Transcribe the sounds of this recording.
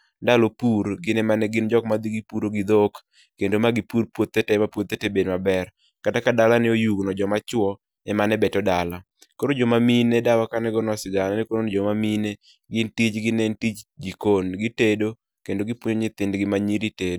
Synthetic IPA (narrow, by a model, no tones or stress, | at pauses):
ndalopuɾɡɪnɛmanɛɡɪnd͡ʒɔkmad̪iɡipuɾoɡɪd̪ok | kːendomaɡɪpurpwot̪ːetemapwot̪ːetebedmabɛr | katakadalanɪojuɡnɔd͡ʒɔmat͡ʃwɔ | ɛmanɛbɛtɔdala | koɾod͡ʒɔmaminedawakanɛɡɔnɔsɪɡananɛkoɾonod͡ʒɔmamine | ɡɪntit͡ʃɡɪnentit͡ʃɡikonɡɪtedo | kendoɡɪpwoɲoɲɪt̪ɪndɡɪmaɲiɾitedo